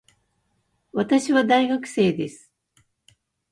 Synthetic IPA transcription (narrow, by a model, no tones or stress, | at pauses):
βat̪aɕiβad̪aiɡakɯ̟̥se̞ːd̪e̞sɨ̥